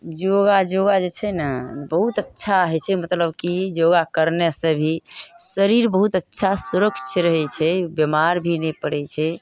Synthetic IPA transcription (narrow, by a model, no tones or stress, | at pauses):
d͡ʒoɡad͡ʒoɡad͡ʒet͡ʃʰɛnəbəɦut̪ətːʃʰaɦɛt͡ʃʰɛmət̪ləbkid͡ʒoɡakəɾnesəbʱisəɾiɾbəɦut̪ətːʃʰasuɾəkst͡ʃʰəɾəɦɛt͡ʃʰɛbjemaɾbʱinɛpəɽɛt͡ʃʰɛ